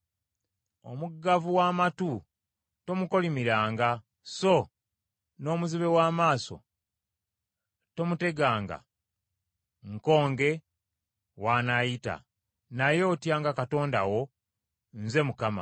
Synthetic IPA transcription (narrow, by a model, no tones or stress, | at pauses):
o̰muɡːavuwaːmatu | to̞muko̞limiɾaːŋɡa | so̞ | no̞ːmuziβe̞waːmaːso̞̰ | to̞mute̞ɡaːŋɡa̰ | ŋko̞ːŋɡe̞ | waːnajita̰ | najo̞ːtjaːŋɡakato̞ːnda̰wo̞ | n̩ze̞mukama̰